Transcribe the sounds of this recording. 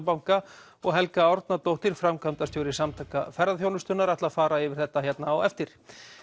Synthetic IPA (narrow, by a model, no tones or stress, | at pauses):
pawŋka | ɔɣɦɛlkaɔɾt̪nat̪owht̪ɪɾ̥fɾamkʰamt̪ast̪jowɾɪsamt̪ʰakafɛɾðaðθjownʏst̪ʏnaɾaht̪laðfaːɾaɪvɪɾ̥θɛht̪ːaçjɛt̪naːwɛ̰ft̪ɪɾ̥